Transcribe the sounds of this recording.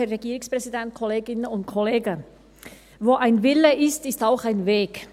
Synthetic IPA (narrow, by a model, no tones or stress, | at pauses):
əʁeɡiːʁʊŋspʁ̥ɛzidɛnt̚kʰɔleːɡɪnənʊntkʰɔleːɡə | voːʔaɪnvɪləʔɪstɪstaʊxaɪnveːk